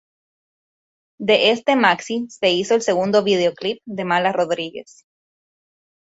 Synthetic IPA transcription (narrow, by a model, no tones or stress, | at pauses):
d̪e̞ʔest̪e̞maksise̞iso̞else̞ɣund̪oβið̞e̞oklip̚d̪e̞malaro̞ðɾiɣe̞̰s